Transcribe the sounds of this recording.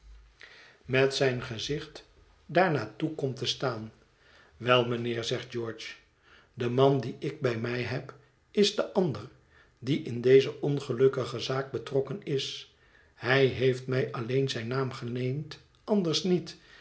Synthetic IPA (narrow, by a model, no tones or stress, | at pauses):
mɛtsɛjnχəzɪχt | daːɹnaːtukɔmtəstaːn | ʋɛlˠmənɪːɹzɛχd̚d͡ʒɔːɹt͡ʃ | dəmɑndiɪɡ̚bɛjmɛjɦɛp | ɪzdəʔɑndəɹ | diʔɪndejzəʔɔnχəlɵkəχəzaːɡ̚bətrɔkənɪs | ɦɛjɦejftmɛjɑlejnzɛjnaːmχənejmt | ʔɑndəɹsnit